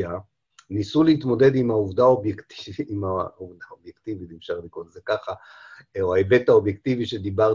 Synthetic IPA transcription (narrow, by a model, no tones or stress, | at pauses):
a | nisuleit̪mo̞de̞d̪imhauvdaobjekt̪iviːmauvdaobjekt̪ivitimʃaʁlikolzekaχa | oaebe̞t̪ao̞bjekt̪iviʃed̪ibaʁ